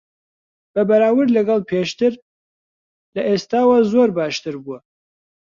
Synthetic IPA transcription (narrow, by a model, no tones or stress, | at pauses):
b̥ɐbɐɾaːwɨɾlɐɡɑlˠpʰeːʃt̪ɨɾ | lɐʔest̪aːwazoɾbɑːʃt̪ɨɾbuɐ